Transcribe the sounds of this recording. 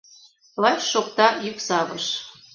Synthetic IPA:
lɑt͡ɕʃokt̪ɑjyksɑβɤʃ

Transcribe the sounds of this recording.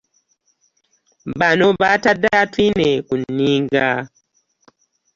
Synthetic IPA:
banobatadatinekuniŋɡa

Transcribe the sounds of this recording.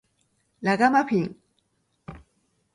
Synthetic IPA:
laɣamaɸʰiŋ

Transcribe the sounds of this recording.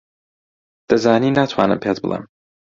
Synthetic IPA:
d̪̥ɐzaːniːnat̪ʰwa̰ːnɨ̰mpʰeːt̪̚bɨlˠə̰m

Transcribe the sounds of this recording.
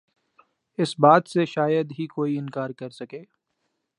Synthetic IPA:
ɪsbaːt̪seʃaːjəd̪ɦikoːiɪnkaːɾkɐɾsɐkeː

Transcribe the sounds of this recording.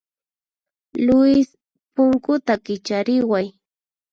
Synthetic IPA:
lʊɪs | pʊŋkʊt̪akɪt͡ʃaɾɪwaj

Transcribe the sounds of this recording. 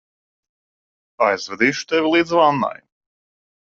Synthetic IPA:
ajzvɛd̪iːʃu̥t̪evʲilˠiːd̪zvanːa̰j

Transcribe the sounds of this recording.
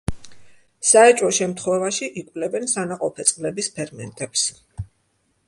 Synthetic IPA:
saɛt͡ʃʼɔʃɛmt̪ʰχwɛvaʃiʔikʼvlɛbɛnsanaqʼɔpʰɛt̪sʼlɛbispʰɛɾmɛnt̪ʼɛps

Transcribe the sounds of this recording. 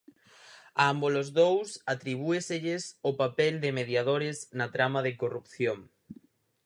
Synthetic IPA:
aambolozðowsat̪ɾiβ̞ueseʎɪsopapɛld̪ɪmeðjaðoɾɪznɐt̪ɾamɐðɪkorupθjoŋ

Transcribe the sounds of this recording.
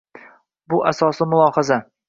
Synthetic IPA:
bʊʔasɒsɪmʊlˠɒhɑza

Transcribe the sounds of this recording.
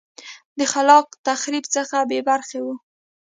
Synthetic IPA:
d̪əxalɑq̚t̪axɾibt͡səxabebaɾxewu

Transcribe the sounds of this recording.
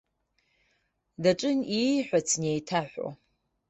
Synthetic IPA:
dɐʈ͡ʂʼɨniħʷɔt͡sʰnejtʰaħʷɔ̰

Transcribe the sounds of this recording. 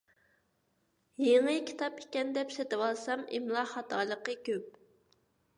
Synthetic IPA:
jeŋɨkʲʰi̥t̪ʰɑpe̥kʲɛnd̪ɛpset̪ɪwɑlˠsɑmḭmlˠɑχɑt̪ʰɑːlˠəqəkʲøp̚

